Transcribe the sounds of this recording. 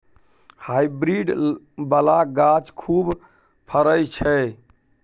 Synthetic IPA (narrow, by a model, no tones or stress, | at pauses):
hajbɾiɖ | bəlaɡat͡ʃkʰub | pʰəɾəjt͡ʃʰɛ